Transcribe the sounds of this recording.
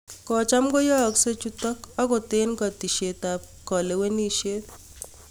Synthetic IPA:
kɔ˨t͡ʃa˦mkɔ˦jɔ˦˨kse˦t͡ʃu˦t̪ɔ˦kɔ˦kɔ˨t̪e˦nkɔ˨t̪i˨ʃe˨t̪a˨p̚ | kɔ˨le˨we˦ni˦ʃe˦t̪

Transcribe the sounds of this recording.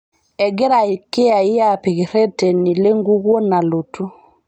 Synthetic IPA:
ɛɡe˦ɾae˨ke˦a˨i˦japeɣe˨ɾɛ˦tɛ˨ni˨le˦ŋɡu˦ɣwɔ˦na˨lo˨tu˦

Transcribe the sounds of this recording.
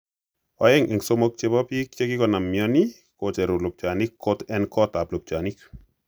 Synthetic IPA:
ɔ˨jɛ˦ŋʔɪ˨ŋso˦mo˦k̚t͡ʃe˦pɔ˦pi˦k̚t͡ʃe˦kɪ˦kɔ˨na˨mːjɔ˦ni˦ | ko˨t͡ʃɛ˨ɾʊ˨lʊ˨p̚t͡ʃa˨ni˦kʰːo˦tɛ˦nkɔ˦ta˨plʊ˨p̚t͡ʃa˨ni˦k

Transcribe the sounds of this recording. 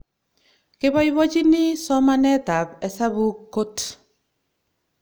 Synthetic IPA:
kɪ˦bɔ˦jwo˦t͡ʃi˦nɪ˦sɔ˦ma˦nɛ˦ta˨pɛ˨sa˦bu˦kːo˦t

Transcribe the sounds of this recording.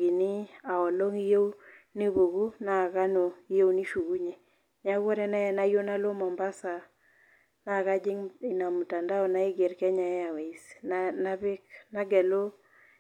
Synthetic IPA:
ɡi˨nɪ˦a˨ɔ˨lo˦ŋi˦jo˦wni˦bo˨ɡu˦na˦˨ka˦no˨i˦jo˦wni˦ʃu˨ɡu˦ɲe˨ | ɲa˦ɡɔ˦ɾɛ˦nɛ˦˨na˦jo˦na˦lo˦mɔ˨mba˦sa˨ | na˦˨ka˦d͡ʒɪ˦ŋi˨na˨mu˨ta˨nda˦ɔ˨na˦ɪ˦ɡe˨ɾkɛ˦ɲa˨ɛ˦a˨we˨i˨sna˦bɪ˦kna˦ɡɛ˨lo˦

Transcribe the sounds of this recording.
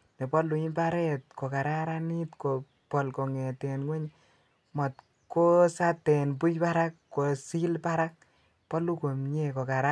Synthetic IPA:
ne˨pɔ˦lu˨i˦pa˦ɾɛ˦t̚ko˨ka˨ɾa˦ɾa˦ni˦tko˨ | pɔ˨lko˨ŋe˨te˨nŋwe˦ɲ | mɔ˨t | ko˦sa˦te˨npu˦jpa˦ɾa˦kːo˨si˦lpa˦ɾa˦k̚ | pɔ˦lu˦ko˨mɲe˦ko˨ka˨ɾa˦

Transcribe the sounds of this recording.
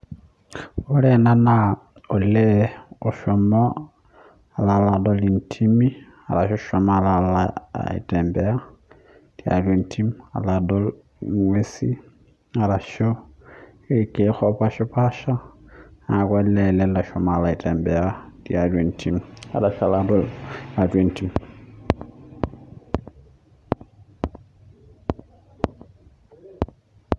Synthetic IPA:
olena˦na | o˨le˦o˨ʃomo˦ | a˨lalado˦li˨ntʰimi˦ | a̰˨ɾa˨ʃo̥ʃoma˦a˨lala̰ḭ˨tʼeːmbɛa˦ | tia̰˨lentʰi˦mia̰˨lado˦l | ŋwesi˦ | a˨ɾa˨ʃo˦ | e˨ke˦xɔ˦pa˦ʃɔ˦pʰa˦ʃa˦ | a˨ka˦lɛ˨lɛ˦la˨ʃɔma˨la˨ɪ˨tɛ˨mbɛ˨a˦dia˨twe˨ntʰi˦ma̰˨da˨ʃa˨ladɔ˦la˨tʼwe˦˨nti˦m

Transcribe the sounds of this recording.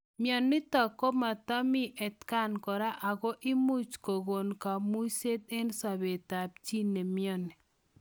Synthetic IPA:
mjɔ˨nːɪ˦tɔ˨ko˦ma˨tɔ˦mi˦ʔɛ˨tka˦˨nkɔ˨ɾa˦ʔa˨ko˦ʔi˦mu˦t͡ʃko˨ɣo˨nka˨mu˦se˦t̪e˦nsa˨βe˨ta˨p̚t͡ʃi˦ne˨mjɔ˦ni˨

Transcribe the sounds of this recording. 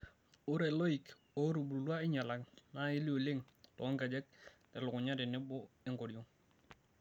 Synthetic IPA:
ʊ˦ɾɛ˨lo˦i˨k | o˦ɾu˨bu˨lu˨lwa˦ɪ˦ɲa˨la˨ŋna˦ɪ˦li˦o˨le˦ŋtɔ˨˦ŋɡɛ˨d͡ʒɛ˦k̚tɛ˨lʊ˨kʊ˨ɲa˦dɪ˨nɪ˦bʊ˦ɪ˦ŋɡo˨ɾjo˦ŋ

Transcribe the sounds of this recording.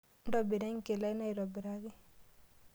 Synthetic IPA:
n˦dɔ˨bi˨ɾɛ˦ŋ˦ke˨la˦i˦na˦i˨ɾɔ˨bɪ˨ɾa˦ɡɪ˦

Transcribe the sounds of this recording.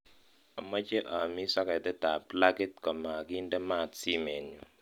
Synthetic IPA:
a˨mɔ˦t͡ʃe˦ʔa˨mi˦sa˦ka˨dɛ˦ta˨pla˦ɡe˦t̚kɔ˨ma˨ɡi˦ndɛ˦ma˦˨tsi˦mɛ˨no˨

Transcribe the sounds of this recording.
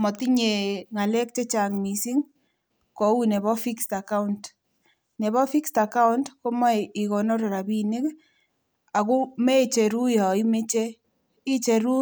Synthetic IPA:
mɔ˨ti˦ɲe˨ŋa˨lɛ˦k̚t͡ʃe˦t͡ʃa˨ŋmi˨si˦ŋ | kɔ˨u˦ne˨βɔ˦fi˦ksta˨ka˦u˦nt | ne˨βɔ˦fi˦ksta˨ka˦u˦ntko˦mɔ˦i˨kɔ˨nɔ˦ɾe˨ɾa˨bi˦nɪ˦k | a˨ku˦me˦˨t͡ʃe˨ɾu˦jɔ˨i˦me˦t͡ʃe˦ | i˦t͡ʃe˨ɾu˦

